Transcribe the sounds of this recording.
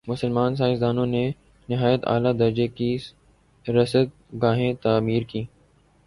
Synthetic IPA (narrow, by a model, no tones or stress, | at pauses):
mʊsəlmaːns̬aːɪsd̪aːnõne | nɪɦaːjət̪a̰ːlad̪ɐɾd͡ʒeki | ɾɐsət̪̚ | ɡaːɦẽt̪aːmiːɾkiː